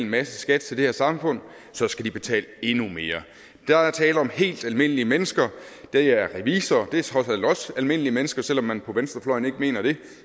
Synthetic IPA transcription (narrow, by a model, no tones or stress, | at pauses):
lenmæsəsɡ̥æd̥̚t͡sʰe̝ld̥e̝he̝ɐsɑ̈mfɔ̽n̰ | sɒ̽sɡ̥æd̥ib̥e̝t͡sʰɛ̰ːle̝nume̝ːɐ | d̥ææɐt͡sʰɛːləɒ̽mhe̝̰ːld̥ælme̝n̰əliəmenəsɡ̥ɐ | d̥ææɐʁɛʋḭːsɐd̥e̝shɒslɒ̽sælme̝n̰əliəmenəsɡ̥ɐsel̰ɒ̽mːænpʰɒ̽ʋensd̥ʁɐflɒ̽ɪ̰n̩e̝ɡ̥əme̝̰ːnɐɾ̥e̝